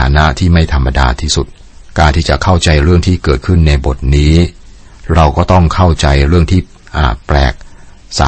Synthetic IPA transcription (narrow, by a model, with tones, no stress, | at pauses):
aː˩˦na˦˥t̪ʰiː˥˩ma˥˩jt̪ʰa˧mːa˧da̰ː˧t̪ʰiː˥˩su˨˩t̪̚ | kaː˧nt̪ʰiː˥˩t͡ɕa̰˨˩kʰa˥˩wt͡ɕa˧jɾɯ˥˩əŋt̪ʰiː˥˩kɤː˨˩t̪̚kʰɯ˥˩nːa˧jbo˨˩t̪̚niː˦˥ | ɾa˧wkɔː˥˩t̪ɔ˥˩ŋkʰa˥˩wt͡ɕa˧jɾɯ˥˩əŋt̪ʰiː˥˩ | ʔaː˨˩plɛ̰ː˨˩k̚sa̰ː˨˦